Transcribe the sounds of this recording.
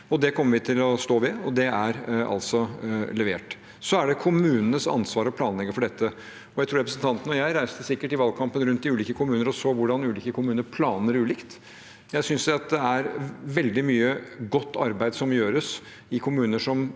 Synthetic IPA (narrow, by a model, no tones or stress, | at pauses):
ɔd̪ɛkʰɔmːəɾʋɪt̪ʰɪlɔst̪oːʋɪɔd̪ɛæɾɑ̰lsɔlɛʋeːʈ | sɔæɖɛkʰʊmʉːnənəsɑ̰nsʋɑːɾɔpʰlɑːnlɛɡːəfɔɖɛt̪ʰːə | ɔjæɪt̪ɾuːɾɛpɾəsən̩t̪ɑnt̪ən̩ɔjæɪɾæɪst̪əsɪkːəʈɪʋɑːlkʰɑmpənɾʉnt̪̚d̪ɪʉːliːkəkʰʊmʉːnəɾɔsoːʋʊɖɑnʉːliːkəkʰʊmʉːnəɾpʰlɑːnəɾʉːliːkt̪ | jæɪsʏnsd̪ɛɑt̪̚d̪ɛæɾʋɛld̪ɪmyːəɡɔt̪ʰːɑ̰ɾbæɪd̪sɔmjøːɾəs | ɪkʰʊmʉːnəʂɔm